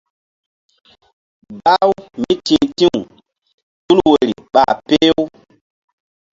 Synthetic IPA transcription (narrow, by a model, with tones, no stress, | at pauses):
ba˦wmi˦tĩː˦˨tĩ˦u˨ | tu˦lwe˨ɾi˨ɓa˨pe˦w